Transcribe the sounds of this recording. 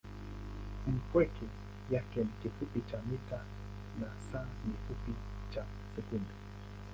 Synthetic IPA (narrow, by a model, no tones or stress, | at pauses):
inkʷeki | jahkenkipupit͡ʃamit̪a | nasanipupi | t͡ʃa | sekume